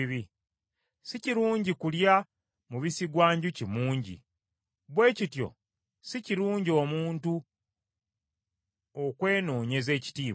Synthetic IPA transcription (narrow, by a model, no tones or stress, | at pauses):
βi | siciɾuːɲɟikulja | muβisiɡwaːɲɟucimuːɲɟḭ | βwe̞ːcitjo̞̰ | siciɾuːɲɟio̞ːmuːntu | okwe̞ːno̞ːɲe̞ze̞ːci̥tiː